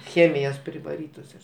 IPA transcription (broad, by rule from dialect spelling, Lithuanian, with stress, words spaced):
ˈxʲeːmʲɪjoːs pʲrʲɪʋɐˈrʲiːtoːs joːs